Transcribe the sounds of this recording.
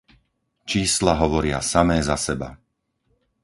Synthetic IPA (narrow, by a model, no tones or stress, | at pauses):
t͡ʃiːslaɦɔʋɔɾɪa̰samɛːzasɛba̰